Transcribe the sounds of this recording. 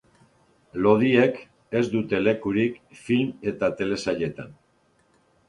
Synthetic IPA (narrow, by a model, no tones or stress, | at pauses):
lo̞ð̞ie̞k | e̞zd̪ut̪e̞le̞kuɾikfilme̞t̪at̪e̞le̞saʎe̞t̪a̰n